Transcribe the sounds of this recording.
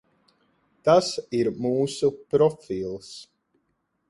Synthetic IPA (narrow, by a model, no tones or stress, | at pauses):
d̪̥asiɾmuːsəpɾɔfilˠs